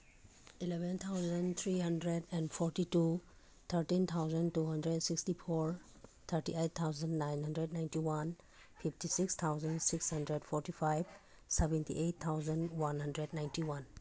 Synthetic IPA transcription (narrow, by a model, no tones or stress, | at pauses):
ilɛbɛnt̪ʰawzənt̪ʰɾiɦandɾedɛnpʰɔɾtitu | t̪ʰəɾtint̪ʰawzəntuɦandɾedsikstipʰoɾ | t̪ʰəɾtiejt̪ʰːawzənːajnɦandɾednajntiwan | pʰipʰtisikst̪ʰawzənsikshandɾedpʰɔɾtipʰajb | sɛbɛntḭʔett̪ʰːawzənwanhandɾednajntiwan